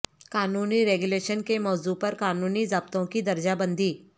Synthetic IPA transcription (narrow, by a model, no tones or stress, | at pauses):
kaːnuːniɾeːɡʊleːʃənkemɔːzupɐɾkaːnuːnizɐb̚t̪õkid̪ɐɾd͡ʒabə̃nd̪ʱiː